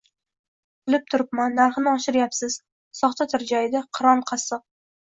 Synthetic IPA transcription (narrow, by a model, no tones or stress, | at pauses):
bɪlɪp̚t̪ʰʊɾɪp̚manːaɾχɨnɪɒʃɪɾjapsɪz̥ | sɒχt̪ʰat̪ʰɪɾd͡ʒajd̪ɪqʰɨɾɒnqʰɑsɨq̚